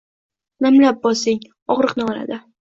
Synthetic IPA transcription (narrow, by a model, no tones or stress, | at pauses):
namlap̚bɒsɪŋ | ɒʁɾɨqnɪɒla̰d̪ɪ